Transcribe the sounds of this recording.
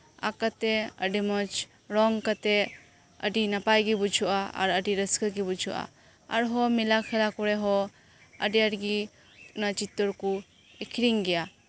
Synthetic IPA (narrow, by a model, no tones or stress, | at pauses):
a̰kat̪ɛəɖimɔt͡ʃ | ɾɔŋkat̪ɛ | ədinapajɡibud͡ʒʱuʔaa̰ɾədiɾəskaɡibud͡ʒuʔa̰ | aɾɦɔmilakʰɛlakɔɾɛɦɔ | ə̰diaɾɡi | unat͡ʃit̪ːɔɾku | ekʰɾiŋɡɛja